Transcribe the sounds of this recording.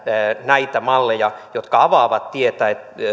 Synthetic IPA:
næit̪æmɑlːejɑjot̪kɑɑʋɑːʋɑt̪t̪iet̪æːet̪

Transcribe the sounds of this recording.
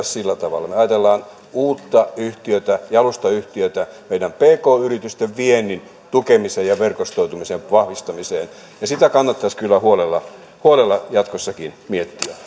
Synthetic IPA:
ssilːæt̪ɑʋɑ̰lːˑɑmeɑjɑt̪elːɑːn | uːt̪ːɑyht̪iøt̪æjɑlust̪ɑyht̪iøt̪æmeidæmpeːkoːyrit̪yst̪eʋʋienːin | t̪ukemisejjɑʋerkost̪out̪umiseʋʋɑhʋist̪ɑmiseːn | jɑsit̪ækɑnːɑt̪ːɑskylːæhuolelːɑ | huolelːɑjɑt̪kosːɑkinmiet̪ːiæ

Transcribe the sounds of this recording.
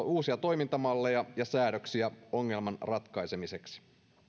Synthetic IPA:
uːsiɑt̪o̞jmint̪ɑmɑlːe̞jɑjɑsæːɾøksiæo̞ŋːe̞lmɑnrɑt̪kɑjse̞mise̞ksi̥

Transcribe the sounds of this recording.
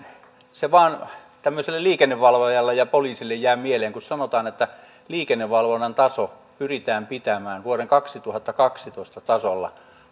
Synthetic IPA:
seʋɑːn | t̪æmːøselːelliːkenːeʋʋɑlʋojɑlːejɑpoliːsilːejjæˑːmieleːŋkussɑnot̪ɑːnet̪ːæ | liːkenːeʋʋɑlʋonːɑnt̪ɑso | pyrit̪æːmpit̪æmæːnʋuoreŋkɑksit̪uhɑt̪ːɑkɑksit̪oˑist̪ɑt̪ɑsolːɑ̰

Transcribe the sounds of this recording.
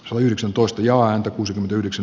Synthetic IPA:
sɑt̪ɑyhɾeksænt̪oist̪ɑjɑːænt̪ækuːsikyment̪æyhdeksæ

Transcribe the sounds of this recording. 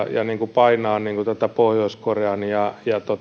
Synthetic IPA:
jɑ̰niːŋkupɑinɑːnniːŋkut̪æt̪æpohjoiskorjɑːnijɑjɑt̪ot̪

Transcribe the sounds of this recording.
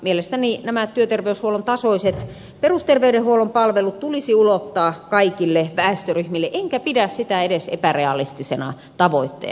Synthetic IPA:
mielest̪æninæmæt̪yøt̪erʋeyshuolont̪ɑsoiset̪ | perust̪erʋeydehhuolompɑlʋelut̪t̪ulisiulot̪ːɑːkɑikilːeʋæest̪øryhmilːeʔeŋkæpidæssit̪æedesḛpæreɑlist̪isenɑ̰ | t̪ɑʋoit̪ːḛː

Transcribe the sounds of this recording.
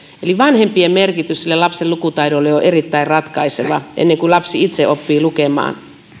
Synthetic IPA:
eliʋɑnhempiemmerkit̪yssilːelɑpselukut̪ɑiɾolːejoʔerit̪ːæirrɑt̪kɑiseʋɑʔḛnːeŋkulɑpsiit̪seʔopːiːlukemɑ̰ːn

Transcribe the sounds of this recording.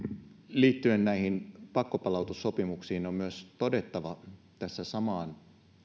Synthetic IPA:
liːt̪ːyennæihinpɑkːopɑlɑˑut̪usːopimuksiːnommyøst̪ode̞t̪ːɑʋɑ | t̪æsːæsɑmɑːn

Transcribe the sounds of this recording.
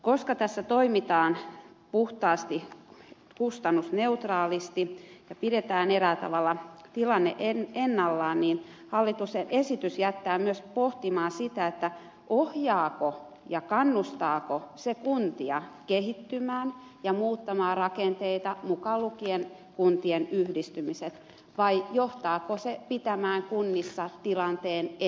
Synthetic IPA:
koskɑt̪æsːæt̪oimit̪ɑːn | puht̪ɑːst̪i | kust̪ɑnːusneut̪rɑːlist̪ijɑpiɾet̪æːneɾæt̪ɑ̰ʋɑlːɑt̪ilɑnːeʔenenːɑlːɑːnniːn | hɑlːit̪usenʔesit̪ysjæt̪ːæːmyøspoht̪imɑːnsit̪æet̪ːæ | ʔohjɑːko | jɑkɑnːust̪ɑːkosekunt̪iɑkehit̪ːymæːn | jɑmuːt̪ːɑmɑːrɑkent̪eit̪ɑmukɑlukien | kunt̪ienyhdist̪ymiset̪ | ʋɑijoht̪ɑːkosepit̪æmæːŋkunːisːɑt̪ilɑnt̪eːn

